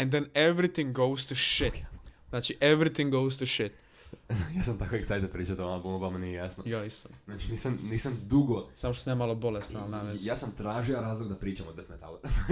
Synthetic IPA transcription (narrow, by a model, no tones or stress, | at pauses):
ɛ̃nd̪ɛneʋɾit̪ĩŋɡoʊst̪uʃɪt̪znaːt͡ʃiʔeʋɾit̪ĩŋɡowz̥t̪uʃɪt̪ | ajaːs̬amt̪akoeksajt̪apɾiːt͡ʃat̪ooabumbamanijejasnojaist̪annaːt͡ʃiniːsamniːsamd̪uɡosamoʃt̪osnemalobolest̪nalnaʋejaːsamt̪ɾaːʒiaɾaːzlˠoɡ̚d̪apɾiːt͡ʃamod̪bet̪met̪a̰loɾ